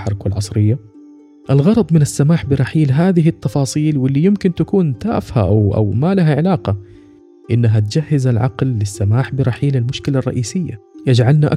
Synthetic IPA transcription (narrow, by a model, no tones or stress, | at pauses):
ħɑɾˤkalʕɑsˤɾɪjːa | ʔɪlɣɑɾˤɑd̪ˤmɪnasːamaːħbɪɾˤɑħiːlɦaːðɪɦɪt̪ːɑfɑːsˤiːlwɪlːijɪmkɪnt̪akuːnt̪a̰ːfha̰ʔa̰wʔa̰wmalaɦaʕɪlaːqɑ | ʔɪnːaɦat̪d͡ʒahːɪzalʕɑ̰qlːɪsːamaːħbɪɾˤɑħiːlɪlmʊʃkɪlarˤːɑ̰ʔiːsɪjːa̰jad͡ʒʕalnaʔa